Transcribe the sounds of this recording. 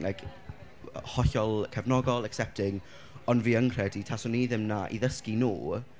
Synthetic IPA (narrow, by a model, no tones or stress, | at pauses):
lajkʰ | hɔɬɔlˠkʰɛvnɔɡɔlˠɛksɛp̚tʰɪŋ | ɔnviːəŋkr̥ɛditʰasɔniːðɪmnaʔḭðəskinṵː